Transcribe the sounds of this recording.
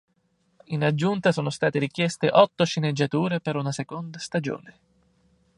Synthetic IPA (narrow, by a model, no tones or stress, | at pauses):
inad͡ʒːunt̪asoːnost̪aːt̪eɾik̟jɛst̪eʔɔt̪ːoʃined͡ʒːat̪uːɾepeɾunasekond̪ast̪ad͡ʒo̰ːne